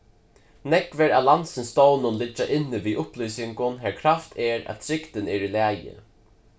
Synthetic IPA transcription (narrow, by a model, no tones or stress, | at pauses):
nɛkvɛɾælansɪnst̪ownʊnlɪd͡ʒaʔɪnːɪviːʔʊplysɪŋkʊnɦɛɹkʰɾaft̪ʰɛɾæ̰ðt̪ʰɾɪkt̪ɪnɛɾilæːjɪ̰